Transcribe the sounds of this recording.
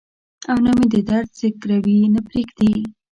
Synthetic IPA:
awnamed̪əd̪aɾsɪkɾawinapɾeɡd̪e

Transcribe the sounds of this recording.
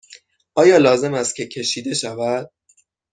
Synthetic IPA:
ɒːjɒːlɒːze̞mæst̪̚cʰʲe̞cʰe̞ʃiːd̪e̞ʃævæd̪̥̚

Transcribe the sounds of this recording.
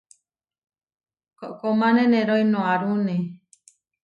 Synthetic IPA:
koʔkomãnẽnẽɾojnõaɾunẽ

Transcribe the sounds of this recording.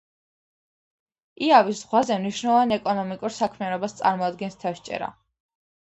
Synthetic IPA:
iavisz̥ʁwazɛmniʃnɛlˠɔvanɛkʼɔnɔmikʼuɾsakʰmianɔbast̪sʼa̰ɾmɔad̪̚ɡɛnst̪ʰafʃt͡ʃʼɛ̰ɾa̰

